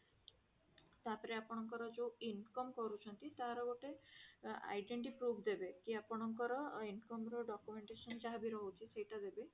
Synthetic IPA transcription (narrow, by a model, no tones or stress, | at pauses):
t̪apɔɾeapɔɽ̃ɔŋkɔɾɔd͡ʒoinkɔmkɔɾut͡ʃʰɔnt̪it̪aɾɔɡoʈe | a̰jɖeɳʈipɾubʰd̪ebekiapɔɽ̃ɔŋkɔɾɔinkɔmɾɔɖɔkjumeɳʈesɔnd͡ʒaɦabiɾɔɦut͡ʃʰisejʈad̪ebe